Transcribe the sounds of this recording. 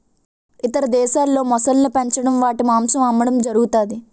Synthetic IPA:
it̪ɐɾɐd̪ɛːʃaːlːo̞ːmɔsɐlnipɐɲt͡ʃɐɽɐmʋaːʈimaːmsɐmɐmːɐɽɐmd͡ʒɐɾuɡut̪aːd̪i

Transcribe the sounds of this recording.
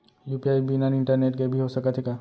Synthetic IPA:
juːpiaːibinanɪ̃ɳʈəɾneːʈkebʱiɦosɐkət̪ʰɦeka

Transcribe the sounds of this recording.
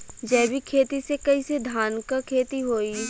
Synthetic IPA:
d͡ʒɛːbʱikʰeːt̪isekɐised̪ʱaːnkakʰeːt̪iɦoːi

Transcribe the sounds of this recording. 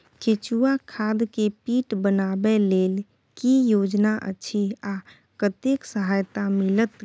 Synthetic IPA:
kʰet͡ʃuakʰad̪kepiʈbənabelel | kijod͡ʒnaʔə̰ʃʰia | kət̪eksəɦajt̪amilət̪

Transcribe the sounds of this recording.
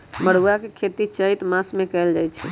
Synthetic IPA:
məɽ̤uakekʰet̪it͡ʃəit̪masmekəld͡ʒajt͡ʃʰɛ

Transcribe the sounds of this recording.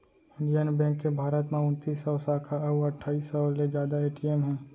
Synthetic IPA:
ɪɳɖijənbɛ̃ːŋkːebʱaːɾət̪mẽʊ̃nt̪iːsɔːsaːkʰaɐbɐʈʰːaːisɔled͡ʒjaːd̪aeːʈiɛmɦɛ̃ː

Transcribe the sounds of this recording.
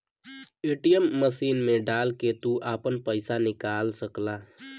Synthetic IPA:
eːʈijəmːəsiːnmẽɖaːlket̪uʔaːpənpəɪsanɪkaːlsəklaː

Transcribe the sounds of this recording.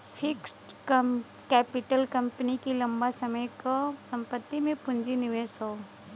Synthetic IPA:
fʰɪksʈ | k | kɛːpɪʈəlkɐ̃mpənikilɐ̃mbasɐməjkasɐ̃mpət̪ːimẽpʊ̃ɲd͡ʒinɪʋeːsɦoː

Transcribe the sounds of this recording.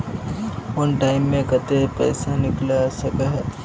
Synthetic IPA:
ʊnʈaːɪmːẽkɐt̪epɛ̰ːsanɪklasɐkəɦɛ

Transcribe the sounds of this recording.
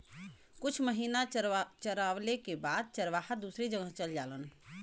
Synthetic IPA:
kʊt͡ʃʰməɦiːnat͡ʃəɾaːʋlekebaːd̪̚t͡ʃəɾʋaːɦad̪usɾid͡ʒəɡəɦt͡ʃəld͡ʒa̰ːlən

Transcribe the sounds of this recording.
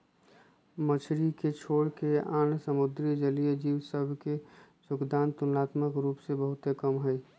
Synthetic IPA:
mət͡ʃʰɾiket͡ʃʰoːɽkeaːnsəmʊd̪ɾid͡ʒəlijəd͡ʒiːwsəbʱkesʊkd̪aːnt̪ʊnaːt̪məkɾuːpsebəɦʊt̪ekəmɦɛi

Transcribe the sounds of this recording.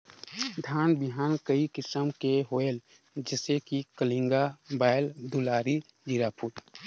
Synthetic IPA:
d̪ʱaːnbɪɦaːnkəikɪsəmkeɦoel | d͡ʒɪsekikəlĩŋɡabaːɪld̪ulaːɾi | d͡ʒiɾaːpʰuɾ

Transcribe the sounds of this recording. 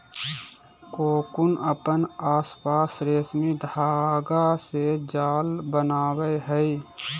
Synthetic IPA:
koːkʊnəpənaːspaːsɾeːsmid̪ʱaːɡased͡ʒaːlbənaːweɦɛi

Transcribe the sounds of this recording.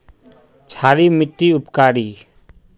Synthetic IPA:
t͡ʃʰaːɾiːmɪʈːiʊpkaːɾiː

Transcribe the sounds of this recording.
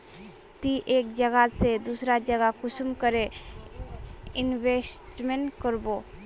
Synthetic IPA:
t̪iʔeːkd͡ʒəɡased̪usɾad͡ʒəɡakʊsumkəɾe | ɪnʋesʈmẽnkəɾbo

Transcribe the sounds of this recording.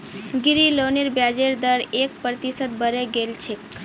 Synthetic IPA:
ɡiɾiloniɾbjad͡ʒeɾd̪əɾek̚pɾət̪isət̪̚bəɾeɡelt͡ʃʰe

